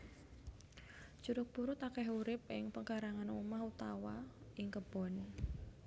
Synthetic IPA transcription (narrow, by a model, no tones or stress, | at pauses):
ʒ̥uɾʊk̚b̥uɾʊt̪akɛɦuɾɪp̚ɪŋpəŋkaɾaŋanṵmahut̪awaɪŋkəb̥ɔ̤n